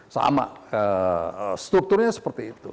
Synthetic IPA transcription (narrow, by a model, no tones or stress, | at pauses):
sa̰ma̰ə | st̪ɾuk̚t̪ʊrɲasə̥pərt̪iːt̪ṵ